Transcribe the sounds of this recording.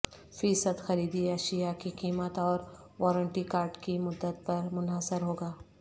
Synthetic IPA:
fisəd̪xɐɾiːd̪iəʃijakikiːmət̪ɔːɾʋɔːɾəɳʈikaːɾɖkimʊd̪ːət̪̚pɐɾmʊnaːsɪɾɦoːɡaː

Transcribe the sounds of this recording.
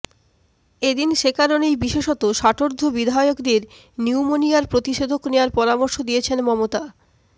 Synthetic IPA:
ed̪inʃekaɾonejbiʃeʃɔt̪oʃaʈʰoɾd̪ʱobid̪ʱajokd̪eɾ | niwmonijaɾpɾot̪iʃod̪ʱoknewaɾpɔɾamoɾʃod̪ijet͡ɕʰenmɔmot̪a

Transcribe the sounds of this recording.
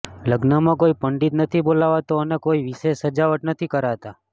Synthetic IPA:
ləɡnamãkoipəɳɖit̪nət̪ʰibolaʋat̪oənekoiʋiʃeʃːəd͡ʒaʋəʈnət̪ʰikəɾat̪a

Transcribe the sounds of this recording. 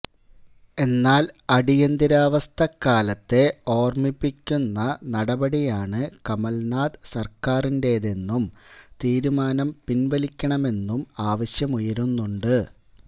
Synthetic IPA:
e̞nːaːlɐɽijɐnd̪iɾaːʋɐst̪ʰɐkːaːlɐt̪ːe̞o̞ːrmipːikʲːunːɐnɐɽɐbɐɽijaːɳɨkɐmɐlnaːd̪ɨsɐrkaːrinde̞ðe̞nːumt̪iːɾumaːnɐmpinʋɐlikʲːɐɳɐme̞nːumaːʋɐɕjɐmujɐɾunːuɳɖɨ

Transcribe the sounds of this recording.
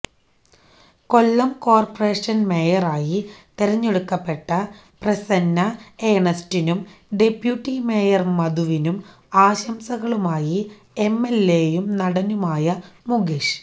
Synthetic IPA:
ko̞lːɐmko̞ːrpɐre̞ːʂɐnme̞ːjɐraːjit̪eɾɐɲːeɽukːɐpːe̞ʈːɐ | prɐsɐnːɐeːɳɐstinumɖe̞pjuʈːime̞ːjɐrmɐðuʋinum | aːɕɐmsɐɣɐɭumaːji | emːe̞lːeːjumnɐɽɐnumaːjɐmuɡiʂ

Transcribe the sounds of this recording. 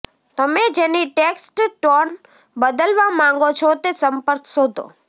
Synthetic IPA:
t̪əmed͡ʒeniʈeksʈʈɔn | bəd̪əlʋamãŋɡot͡ʃʰɔt̪esəmpəɾkʰsod̪ʱo̰

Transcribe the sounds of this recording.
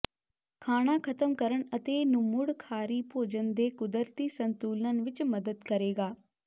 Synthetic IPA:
kʰaːɽ̃aːkʰət̪əmkəɾəɳət̪eːnʊmʊɽkʰaːɾiːpoːd͡ʒənd̪eːkʊd̪əɾt̪iːsə̃nt̪uːlnənʋɪt͡ʃməd̪əd̪kəɾeːɡaː

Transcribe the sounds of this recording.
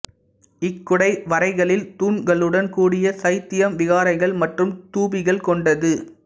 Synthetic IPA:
ɪkːʊɽɐɪʋɐɾɐɪɣɐɭɪlt̪uːnɡɐɭɯɽɐnkuːɽɪjɐsɐɪt̪ːɪjɐmʋɪɣaːɾɐɪɣɐɭmɐʈrɯmt̪uːbɪɣɐɭkɔɳɖɐðɯ

